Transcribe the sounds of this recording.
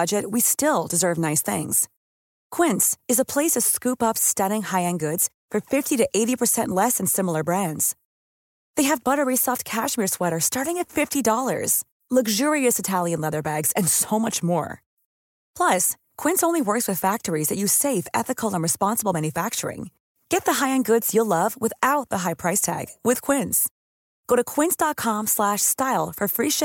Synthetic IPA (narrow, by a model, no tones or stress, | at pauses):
ʌd͡ʒɨt̚wistɪlˠdɨzɜ˞vnaɪsθɪ̰̃ŋz̥ | kʰw̥ɪ̃ntsɨzəpʰl̥eɪsʌv̥skʉpʌpstʌɾɪ̃ŋhaɪɨ̃nɡʊdz̥ | fə˞fɪftiɾɨʔeɪɾipʰə˞sɛ̃nʔlɛsɨ̃n̩sɪ̃ml̩ˠə˞bɹæ̃ndz̥ | ðeɪɨvbʌɾə˞isɑft̚kʰæʃmɪɹswɛɾə˞stɑɹɾɪ̃ŋɨtfɪftidɔlˠə̰˞z̥ | lʌɡʒʊɹiɨsɨtʰælˠjɨ̃nlɛðə˞bæɡz̥ɨ̃nsoʊmʌt͡ʃmɔ̰ɹ | pʰl̥ʌs | kʰw̥ɪ̃nsõʊ̃nliwɜ˞kswɨð̥fæk̚tə˞izðɨt͡ʃɨ̥seɪfɛ̰θɨkl̩ˠə̃nɹɨspɑ̃nsəbl̩ˠmæ̃njɨfæk̚t͡ʃə̰˞ɪ̰̃ŋ | ɡ̥ɛt̪̚ðəɦaɪɨ̃nɡʊdz̥jəlʌvwɨθaʊt̪̚ðəɦaɪpʰɹ̥aɪstʰæ̰ɡ̥wɨð̥kʰw̥ɪ̃ns | ɡ̥oʊɾɨkʰw̥ɪ̃nsd̥ɑt̚kʰɑ̃mslæʃstaɪlˠfə˞fɹiʃ